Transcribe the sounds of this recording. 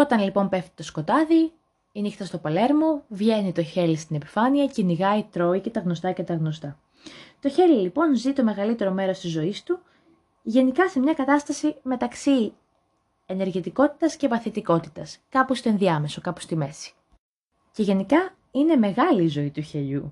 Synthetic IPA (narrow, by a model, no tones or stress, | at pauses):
o̞t̪ɐnlipo̞mpe̞ft̪i̥t̪o̞sko̞t̪ɐði | inixt̪ɐst̪o̞pɐle̞ɾmo̞vʝenit̪o̞çe̞list̪ine̞pi̥fɐniɐceniɣɐit̪ɾo̞ice̞t̪ɐɣno̞st̪ɐce̞t̪ɐɣno̞st̪ɐ | t̪o̞çe̞lilipo̞nzit̪o̞me̞ɣɐlit̪e̞ɾo̞me̞ɾo̞st̪izo̞ist̪u | ʝe̞nikɐsemɲɐkɐt̪ɐst̪ɐsime̞t̪ɐksi | e̞ne̞ɾʝit̪iko̞t̪i̥t̪ɐsce̞vɐθit̪iko̞t̪it̪ɐskɐpost̪oe̞nðiɐme̞so̞kɐpost̪ime̞si̥ | ce̞ʝe̞nikɐ | ine̞me̞ɣɐliːzo̞it̪uçeʎu